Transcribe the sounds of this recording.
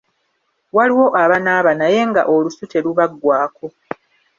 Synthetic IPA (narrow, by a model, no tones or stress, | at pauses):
waliwo̞ʔaβanaːβanaje̞ŋɡa̰ʔo̞lusute̞luβaɡːwaːko̞